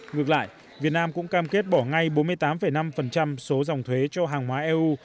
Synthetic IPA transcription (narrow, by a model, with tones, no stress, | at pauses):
ŋɨ˨˩ək̚la̰ː˧˨j | vi˨˩ət̚naː˧mkʊ̰˧˥ŋ͡mŋkaː˧mke˦˥t̚ɓɔ˧˩ŋa˧jɓo˨˦nmɨ˧əjt̪aː˨˦mfə˨˧˩jna˧mfə˨˩nt͡ɕa˧mso˨˦zwŋ͡mt̪ʰwe˨˦t͡ɕɔ˧ɦaː˨˩ŋɦwaː˨˦ʔɛ˧ʔu˧